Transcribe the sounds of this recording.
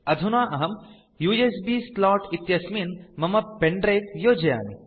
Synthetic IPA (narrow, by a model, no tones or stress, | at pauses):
ɐd̪ʱunaːʔɐɦɐm | juːesbiːslɔːʈit̪jɐsminmɐmɐpeɳɖɾeːk̪joːd͡ʒɐja̰ːni